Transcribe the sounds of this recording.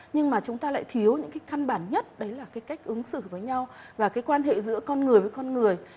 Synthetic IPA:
ɲɨ˧ŋmaː˨˩t͡ɕʊ˨˦ŋ͡mt̪aː˧la̰ː˧˨jt̪ʰi˨˦əwɲɨ̰˧˥ŋkaː˨˦jxa˧nɓaː˧˩nɲə˦˥t̚ɗə˨˦jlaː˨˩kaː˨˦jka˦˥jk̟̚ʔɨ˨˦ŋsɨ̰˧˨vəː˨˦jɲa˧wvaː˨˩kaː˨˦jkwaː˧nɦḛ˧˨zɨ̰˧˥əkɔ˧nŋɨ˨˩əjvəː˨˦jkɔ˧nŋɨ˨˩əj

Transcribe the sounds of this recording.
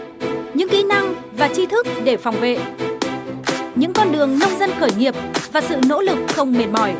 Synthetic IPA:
ɲɨ̰˧˥ŋkḭ˧˥na˧ŋ | vaː˨˩t͡ɕi˧t̪ʰɨ˦˥k̚ɗe˧˩fɔ˨˩wŋ͡mvḛ˧˨ | ɲɨ̰˧˥ŋkɔ˧nɗɨ˨˩əŋnə˧wŋ͡mzə˧nxəː˧˩jɲi˨˩əp̚vaː˨˩sɨ̰˧˨no̰˧˥lɨ˨˩k̚xə˧wŋ͡mme˨˩n̚mɔ˧˩j

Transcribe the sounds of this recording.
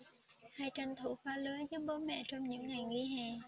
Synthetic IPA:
haː˨˧˩jt͡ɕa˨˩nt̪ʰu˧˩faː˨˧˥ləː˨˦zə˨˦ɓo˧˦mɛ̰˧˨t͡ɕɔ˧wŋ͡mɲɨ̰˧˥ŋːa˨˩jɣi˧ɦɛː˨˩

